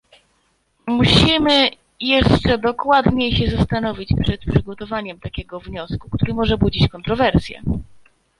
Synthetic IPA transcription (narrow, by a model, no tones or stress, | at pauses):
muɕimɘ | jɛʂt͡ʂɛd̪ɔkwad̪ɲejɕɛzast̪anɔvʲit͡ɕpʂɛt̪̚pʂɘɡɔt̪ɔvaɲɛmt̪akʲɛɡɔvɲɔsku̥kt̪uɾɘmɔʐɛbud͡ʑit͡ɕkɔnt̪ɾɔvɛɾsʲjɛ̰